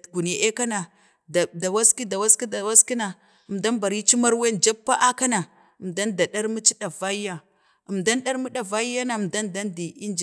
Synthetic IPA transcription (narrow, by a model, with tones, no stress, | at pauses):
ɡu˨n˨a˨ʔe˦ka˦na˨ | da˨da˨wa˦ski˦da˨wa˦ski˦da˨wa˦ski˦na˨ | ə˨mda˦nba˨ɾi˦t͡ʃi˦ma˦ɾwe˦nd͡ʒa˦pːa˦ʔa˦ka˦na˨ | ə˨mda˦nda˨da˦ɾmu˦t͡ʃi˦ɗa˨va˦i˦ja˦ | ə˨mda˦nɗa˦ɾmu˦ɗa˨va˦i˦ja˦na˨mda˦nda˦ndi˨i˦nd͡ʒ